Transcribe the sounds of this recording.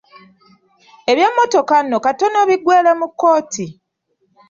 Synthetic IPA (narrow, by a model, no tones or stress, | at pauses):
eβjamːo̞to̞kanːo̞kato̞no̞βiɡweːlemukːo̞ːti